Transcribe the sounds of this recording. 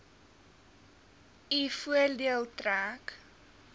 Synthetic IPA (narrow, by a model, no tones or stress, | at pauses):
ifuərdiəlˠtræːk